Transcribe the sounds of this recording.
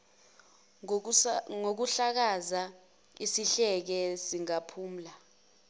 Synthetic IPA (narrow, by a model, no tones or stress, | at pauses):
ŋok̬uɬak̬aza | isiɬɛk̬ɛsiŋapʰuːm̩la